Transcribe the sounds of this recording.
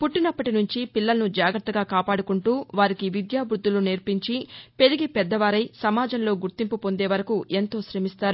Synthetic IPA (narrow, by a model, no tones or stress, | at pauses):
puʈːinɐpːɐʈinuɲt͡ʃipilːɐlɐnud͡ʒaːɡɾɐt̪ːɐɡaːkaːpaːɽukuɳʈuːʋaːɾikiʋid̪jaːbɾud̪ːuluniɾpiɲt͡ʃipe̞ɾiɡipɛd̪ːɐʋaːɾɐjsɐmaːd͡ʒɐmlo̞ːɡuɾt̪impupo̞nd̪e̞ːʋɐɾɐkuʔe̞nt̪o̞ːʃɾemist̪aːɾu